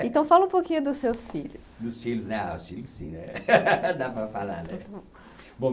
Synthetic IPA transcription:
ẽnt̪ɐ̃w̃falɐũpokĩɲʊd̪ʊsːewsfiʎʊsd̪ʊsfilʊznɛa̰ʊsfilʊssḭ̃nɛd̪apɾɐfalɐ̰̃d̪ | bõ

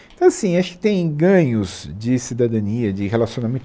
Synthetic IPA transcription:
t̪ɐ̃w̃asĩaʃʊ̥kɪ̥t̪ẽj̃ɡɐ̃ɲʊzd͡ʒɪsid̪ad̪ɐ̃niɐd͡ʒɪɦelasiõnamẽt̪

